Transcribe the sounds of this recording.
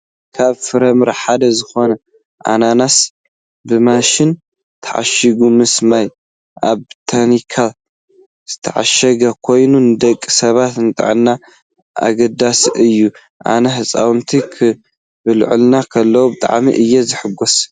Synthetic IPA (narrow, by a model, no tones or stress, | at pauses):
kʰaβfɨɾɐmɨɾħad̪ɐzɨxo̞nɐ | ʔa̰nanas | bɨmaʃɪn | t̪ʰɐʕa̰ʃiɡumɨsmaj | ʔaβt̪ʰanikʰa | z̥ɨt̪ʰɐʕa̰ʃɐɡɐkʰo̞jnunɨd̪ɐkʼːi̥sɐβat̪nɨt̪ʼɨ̰ʕɨnːa | a̰ɡɐd̪asʔɨjːu | ʔa̰nɐħɨsʼa̰wnt̪ʰikʰɨ | bɨl̰ʕɨ̰lnakʰɐlːɐwubɨt̪ʼa̰ʕmḭʔɨjːɛzɨħɨɡos